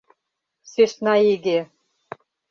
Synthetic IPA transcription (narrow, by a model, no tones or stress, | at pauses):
seʃnɑiɡʲe